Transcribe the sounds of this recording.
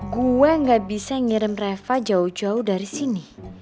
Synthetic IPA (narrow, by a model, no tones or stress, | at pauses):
ɡuwɛŋɡaʔbisaŋiɾəmrɛfad͡ʒaud͡ʒauhdaɾisini